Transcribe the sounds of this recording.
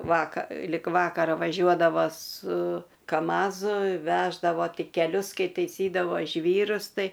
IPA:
ˈʋɑːkɐ lʲɪk ˈʋɑːkɐrɐ ʋɐˈʒʲuɔdɐʋɐ sʊ kɐˈmɑːzʊ ˈʋʲæːʒdɐʋoː ˈtʲɪ kʲɛˈlʲʊs ˈkɐɪ tʲɛɪˈsʲiːdɐʋoː ˈʒʲʋʲiːrʊs ˈtɐɪ

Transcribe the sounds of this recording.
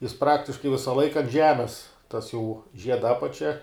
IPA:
jɪs ˈprɑːktʲɪʃkɐɪ ˈʋʲɪsɐ ˈlˠɐɪkɐ ɐnt ˈʒʲæːmʲɛs tɐs jɛʊ ˈʒʲiɛdɐ ˈɑːpɐt͡ʃʲɛ

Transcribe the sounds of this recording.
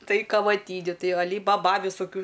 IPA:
ˈtɐɪ kɐʋɐˈtʲiːnʲʊ ˈtɐɪ ɐˈlʲiː bɐˈbɐ ʋʲɪsoːˈkʲuː

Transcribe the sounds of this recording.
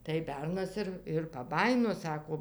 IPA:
tɐɪ ˈbʲɛrnɐs ɪr ɪr pɐˈbɑːjɪnoː ˈsɑːkoː

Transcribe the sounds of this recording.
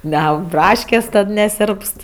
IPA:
nʲɛˈɐʊk ˈbrɑːʃʲkʲeːsʲ ˈtɐt nʲɛˈsʲeːrpst

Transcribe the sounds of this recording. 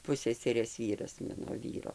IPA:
ˈpʊsʲsʲɛsʲɛrʲeːs ˈʋʲiːrɐs ˈmɑːnoː ˈʋʲiːroː

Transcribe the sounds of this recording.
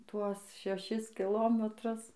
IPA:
ˈtuɔs ʃʲɛˈʃʲɪs kʲɪˈlˠoːmʲɛtrʊs

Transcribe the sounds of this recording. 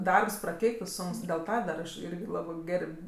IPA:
ˈdɐrps prɐˈkʲɛɪktɜ ˈsʊŋks dʲeːlˠ ˈtɐ dɐr ɐʃ ˈɪrʲɡʲɪ ˈlˠɑːbɜ ˈɡʲɛrʲpʲ

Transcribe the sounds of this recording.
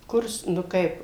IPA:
ˈkʊrs nʊ ˈkɐɪp

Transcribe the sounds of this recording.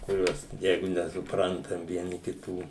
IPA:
kʊˈrʲuɔs ˈjɛɪɡʊ nʲɛsʊˈprɐntɐm ʋʲiɛˈnʲɪ kʲɪˈtuː

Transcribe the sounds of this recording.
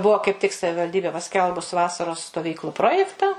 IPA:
ˈbuɔ kɐɪp tʲɪk sɐʋʲɪʋɐlʲˈdʲiːbʲeː pɐˈsʲkʲɛlˠbʊs ˈʋɑːsɐroːs stoːˈʋʲiːklˠʊ ˈproːjɛktɐ

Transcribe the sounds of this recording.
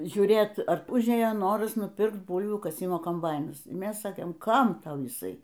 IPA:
ʒʲuːˈrʲeːt ɐr ˈʊʒʲeːjoː ˈnoːrɐs nʊˈpʲɪrkt ˈbuːlʲʋʲuː kɐˈsʲɪmoː koːmˈbɐɪnɐs ˈmʲɛs ˈsɑːkʲeːm ˈkɐm ˈtɐʊ jɪˈsɐɪ

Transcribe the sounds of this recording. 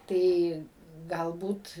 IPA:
ˈtɐɪ ˈɡɐlˠbuːt

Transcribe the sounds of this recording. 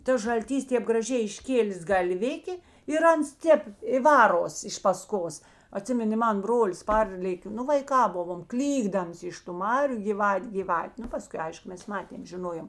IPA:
ˈtɐs ʒɐlʲˈtʲiːs ˈtʲeːp ɡrɐˈʒʲɛɪ ɪʃʲˈkʲeːlʲeːs ɡɐlʲˈʋʲɪkʲeː ɪr ˈɐns ˈtʲeːp ɪ ˈʋɑːroːs ɪʃ pɐˈskoːs ɐˈtʲsʲɪmʲɪnʲeː ˈmɐn ˈbroːlʲɪs ˈpɐrʲlʲeːkʲeː ˈnʊ ʋɐɪˈkɑː ˈbʊʋoːm ˈklʲiːɡdɐms ɪʃ tʊ ˈmɑːrʲʊ ɡʲiːˈʋɐtʲ ɡʲiːˈʋɐtʲ ˈnʊ pɐˈskʊɪ ˈɐɪʃkʊ ˈmʲɛs ˈmɑːtʲeːm ʒʲɪˈnoːjoːm

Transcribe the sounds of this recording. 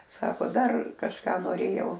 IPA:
ˈsɑːkoː ˈdɐr kɐʃˈkɑː noːˈrʲeːjɛʊ

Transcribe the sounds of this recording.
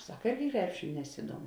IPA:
ˈsɐk ˈɪrʲɡʲɪ ˈkrʲæːpʲʃʲɪnʲʊ nʲɛˈsʲɪduɔmʊ

